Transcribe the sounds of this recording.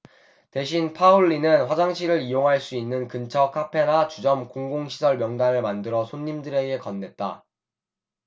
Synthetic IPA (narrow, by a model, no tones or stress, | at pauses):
te̞ɕ̬ʰinpʰauɭːinɯnɸwad͡ʑaŋɕʰiɾɯɾijoŋɦaɭs͈uinːɯnkɯnt͡ɕʰʌkʰapʰe̞nat͡ɕud͡ʑʌmkoŋɡoŋɕʰi̥sʰʌɭmjʌŋdaɾɯɭmandɯɾʌsʰoɲːimdɯɾe̞ɡe̞kʌnːe̞t̚t͈a̰